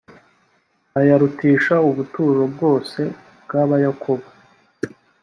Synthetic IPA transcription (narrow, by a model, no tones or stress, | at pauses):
ajaɾutiːʃauβutuːɾo̞bɡo̞ːse̞ | bɡaːβajakʰoβa